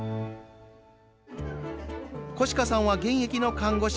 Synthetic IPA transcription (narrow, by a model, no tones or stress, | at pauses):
ko̞ɕi̥kasãɰ̃βaɡẽ̞ɰ̃ekʲino̞kãŋɡo̞ɕ